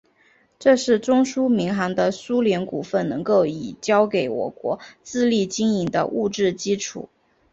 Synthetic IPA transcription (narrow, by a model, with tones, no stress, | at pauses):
ʈ͡ʂɤ˥˧ʂɻ̩˥˩ʈ͡ʂʊ˥ŋʂu˥mi˧˥ŋxɑ˧˥ŋd̪ə˧su˥ljɛ˧˥nku˨˩fə˥˩nnɤ˧˥ŋko˥˩ʊi˨˩t͡ɕjɑ˥ʊke˧˩ɪwɔ̰˨˩kwɔ̰˧˥t͡sɹ̩˥˧li˥˩t͡ɕi˥ŋi˧˥ŋd̪ə̰˧ʔu˥˧ʈ͡ʂɻ̩˥˩t͡ɕi˥ʈ͡ʂʰṵ˨˩˦